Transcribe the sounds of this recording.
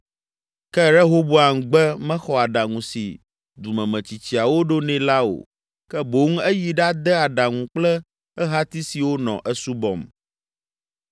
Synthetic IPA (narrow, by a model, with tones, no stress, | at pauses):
kɛ˦ɾɛ˦ɦo˦bo˦a˨ŋ̩˨ɡ͡bɛ˦mɛ̃˦xɔ˨a˨ɖa˨ŋũ˨si˨ | d̪u˨mɛ̃˨mɛ̃˨t͡ɕi˨t͡ɕi˨a˨wo˦ɖo˦nɛ̃˨˦la˦o̰˨ | kɛ˦bo˨˦ŋ˦ɛ˦ji˨ɖa˦d̪ɛ˦a˨ɖa˨ŋũ˨k͡plɛ˦ | ɛ˦ɦa˦t̪i˦si˨wo˦nɔ̰̃˨ʔɛ˦su˦bɔ̰˨m